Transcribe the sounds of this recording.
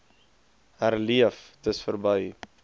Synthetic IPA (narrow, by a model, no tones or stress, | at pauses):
ærliəftəsfərbəj